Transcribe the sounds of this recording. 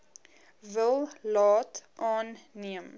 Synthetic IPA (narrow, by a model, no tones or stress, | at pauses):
vəlˠlɑːtʔɑːnːiəm